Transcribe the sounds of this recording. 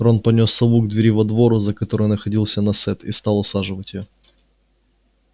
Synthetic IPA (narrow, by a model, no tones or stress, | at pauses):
ɾonpɐnʲo̞sːɐbuɡd̪vʲɪɾʲivɐd̪vo̞ɾʊzəkɐt̪o̞ɾɨjnəxɐdʲilˠsʲənɐsɛt̪ist̪ɑlˠʊsaʐɨvətʲɪjo